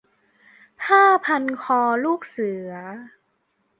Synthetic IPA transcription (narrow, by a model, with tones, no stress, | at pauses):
haː˥˩pʰa˧nkʰɔː˧luː˥˩k̚sɯ˨˩˦ɐ